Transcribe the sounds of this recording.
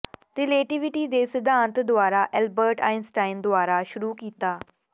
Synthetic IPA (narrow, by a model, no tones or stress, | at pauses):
ɾɪleːʈɪʋɪʈiːd̪eːsɪd̪aːnt̪d̪ʊaːɾaːʔɛlbəɾʈaːɪnsʈaːɪnd̪ʊaːɾaːʃʊɾuːkiːt̪aː